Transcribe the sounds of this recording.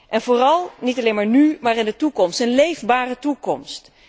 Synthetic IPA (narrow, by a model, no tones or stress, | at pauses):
ʔɛnvoːrɑlˠnitɑlenmaːɹnymaːrɪndətukɔmstənlejvbaːrətukɔmst